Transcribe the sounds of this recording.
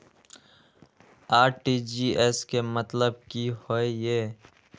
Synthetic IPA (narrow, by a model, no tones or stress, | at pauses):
aːɾʈid͡ʒiːeskemət̪ləb̚kihoejeː